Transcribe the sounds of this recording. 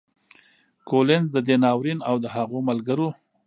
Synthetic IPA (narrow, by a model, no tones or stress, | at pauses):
kolɪnzd̪əd̪enɑwɾinawd̪əɦaɣomalɡəɾo